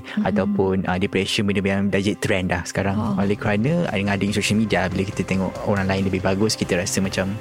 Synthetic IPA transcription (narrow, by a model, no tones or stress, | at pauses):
at̪awpʊnədipɾɛʃənbənəəjaŋdad͡ʒɛt̪ɾɛndlahsə̥kaɾaŋolɛhkəɾanəa̰dəŋadəiŋsoʃəlmidiabilaki̥t̪ət̪ɛŋɔʔoɾaŋlaɪnləbɪɦbaɡʊskit̪əɾasəmãt͡ʃam